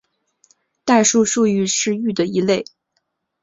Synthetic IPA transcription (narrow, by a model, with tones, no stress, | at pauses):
t̪a˥˧ʂu˥˧ʂu˥˧y˥˧ʂɻ̩˥˧y˥˩d̪ə˩i˧˥le˥˩ɪ